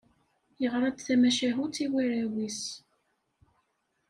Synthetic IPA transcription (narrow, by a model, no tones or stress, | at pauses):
jəʁɾˤɑd̪θæmæʃæɦut̪iwiɾæwis